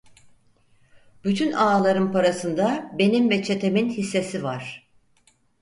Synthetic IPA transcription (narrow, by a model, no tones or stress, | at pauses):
byt̪ʰynaːlˠaɾɯmpaɾasɯnd̪abe̞nimvɛt͡ʃʰe̞t̪ʰe̞minhisːe̞sivaɾ̝̥